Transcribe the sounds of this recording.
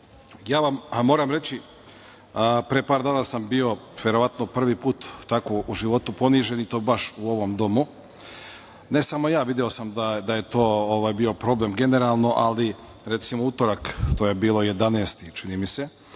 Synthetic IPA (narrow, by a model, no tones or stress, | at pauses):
jaːʋammo̞ːɾamɾe̞t͡ɕi | pɾepaːɾd̪aːnasambio̞ʋje̞ɾo̞ʋat̪nopr̩ʋipuːt̪ːako̞ʔuʒiʋo̞t̪upo̞niʒe̞nit̪oːbaʃuo̞ʋo̞md̪o̞mu | ne̞samo̞jaːʋid̪eo̞samd̪ad̪aje̞t̪o̞ːoʋajbio̞pɾo̞ble̞mɡe̞ne̞ɾalˠno̞ʔali | ɾe̞t̪simout̪oɾakt̪ojebiːlˠoje̞d̪aneːst̪it͡ʃinimise̞